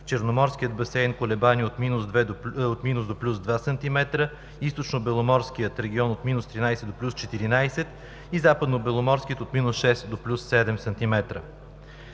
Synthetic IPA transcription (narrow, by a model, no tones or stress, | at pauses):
ft͡ʃɛɾnomɔɾsk̟ʲiəd̪bɐsɛjnkolɛbaniot̪minusd̪vɛot̪minusd̪oplʲusd̪vasɐnt̪imɛt̪ɾə | ist̪ot͡ʃnobɛlˠomɔɾsk̟ijət̪ɾɛɡʲiɔnot̪minʊst̪ɾinajsɛd̪d̪oplʲust͡ʃɛt̪iɾinajsɛt̪ | izapəd̪nobɛlˠomɔɾskʲiət̪ot̪minusʃɛst̪d̪oplʲusːɛd̪ɛmsɐnt̪imɛt̪ɾə̰